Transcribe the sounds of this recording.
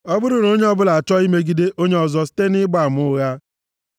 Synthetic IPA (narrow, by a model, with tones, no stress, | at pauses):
ɔ˦bʊ˦ɾʊ˨no˦ɲe˦ɔ˦bʊ˦la˨t͡ʃɔ˦i˦me˦ɡi˦de˦ʔo˦ɲe˦ɔ˨zɔ˦si̥˦te˦nɪ˦ɡ͡ba˨m˦ʊ˦ɣa˦